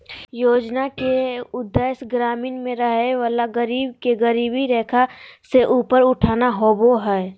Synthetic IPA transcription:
joːd͡ʒnakeʊd̪ːəjsɡɾaːmiːnmẽɾəɦeʋaːlaɡəɾiːbkeɡəɾiːbiɾɛːkʰaseʔuːpəɾʊʈʰaːnaɦoboɦɛː

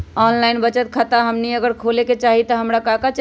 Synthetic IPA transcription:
ɔnlainbət͡ʃət̪̚kʰat̪aɦəmniəɡəɾkʰoleket͡ʃaɦit̪əɦəmɾakakat͡ʃ

